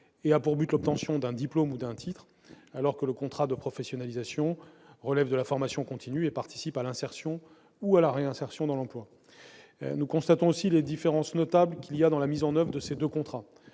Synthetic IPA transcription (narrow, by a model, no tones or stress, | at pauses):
eapuʁbyt̪lɔp̚t̪ɑ̃sjɔ̃d̪ɛ̃d̪iplomud̪ɛ̃t̪ʰit̪χ | alɔʁkələkɔ̃t̪χad̪əpχɔfɛsjɔnalizasjɔ̃ʁəlɛvd̪əlafɔʁmasjɔ̃kɔ̃t̪ʰinyepaʁt̪i̥sipalɛ̃sɛʁsjɔ̃ | ualaʁeɛ̃sɛʁsjɔ̃d̪ɑ̃lɑ̃plwa̰ | nukɔ̃st̪at̪ɔ̃osiled̪ifeʁɑ̃snɔt̪ablkʲilijad̪ɑ̃lamizɑ̃nœvʁd̪əsed̪økɔ̃t̪χa